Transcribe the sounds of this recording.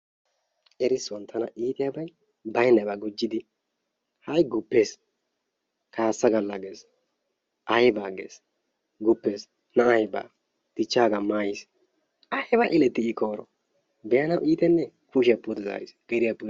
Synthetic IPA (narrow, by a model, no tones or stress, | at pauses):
ʔɛɾɪswɔnt̪ʰːɐnɐʔiːt̪ʼɪjabɐj | bɐjnːɐbɐɡɔd͡ʒːɪd̪ɪ | hɐjɡʊpːe̞ːs | kaːsːɐɡɐlːɐɡeːs | ʔɐjbaːɡḛːs | ɡʊpːe̞ːs | nɐʔɐjba̰ː | t̪ɪt͡ʃːaːɡɐmaːjɪs | ʔɐhɛbɐʔɪlɛt̪ːɪɪkʰoːɾɔ̰ | bɛjɐnɐwʔiːt̪ɛnːɛkuːʃɪjɐpːʊd̪ɛza̰ːɾɪsɡ̥ɛd̪ɪjɐpːʊ